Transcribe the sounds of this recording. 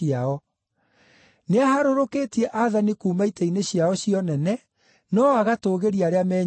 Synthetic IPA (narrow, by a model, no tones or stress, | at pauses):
aɔ | neahaɾoɾoketiɛʔaðanikuːmaitɛineɕiaɔɕiɔnɛnɛ | nɔaɣatoːɣeɾiaɾeamɛː